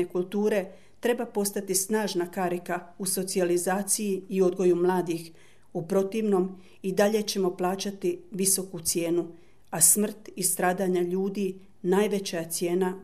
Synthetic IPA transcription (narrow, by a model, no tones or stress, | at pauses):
ekulˠt̪uːɾe̞ | t̪ɾe̞bapo̞st̪at̪isnaːʒnakaɾikauso̞t̪sializaːt̪sijiio̞d̪ɡo̞jumlˠaːd̪ix | upɾo̞t̪iʋno̞m | id̪aʎe̞t͡ɕe̞mo̞plˠaːt͡ɕat̪iʋiso̞kut̪sje̞ːnu | asmr̩t̪ist̪ɾaːd̪aɲaʎuːd̪i | naːjʋe̞t͡ɕajat̪sje̞ːna